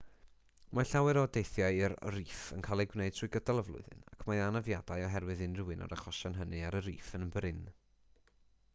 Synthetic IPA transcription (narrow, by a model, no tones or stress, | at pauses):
maɬawɨɾɔdejθjaɨɪrriːfənkʰalˠiɡwneɨd̚tʰrujɡədalˠəvlˠʊ̰ɨðɨ̰na̰kʰmaanavjadajɔɦɛrwɨðɨnrɨwɨnɔ̰ɾaχɔʃanɦənɨaɾəɾiːfənmbrɪn